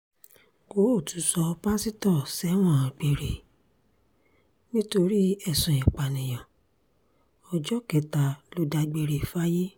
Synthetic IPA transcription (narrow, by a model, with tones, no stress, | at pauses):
ko˨˦o˦˨tu˨˦sɔ˧pa˦si˦tɔ˦˨sɛ˨˦w̃ɔ̃˦˨ã˨ɡ͡be˨ɾe˨ | nĩ˦to˧ɾi˦ɛ˦˨sũ˨ĩ˨k͡pa˨nĩ˨j̃ã˨ | ɔ˧d͡ʒɔ˦kɛ˨ta˨lo˧˦da˧ɡ͡be˧ɾe˨fa˦je˦